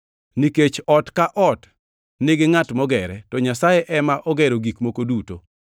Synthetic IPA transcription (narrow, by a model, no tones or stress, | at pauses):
niket͡ʃɔtkaʔɔt | nɪɡɪŋatmɔɡɛɾɛtɔɲasajɛʔɛmaʔɔɡɛɾoɡikmokoduto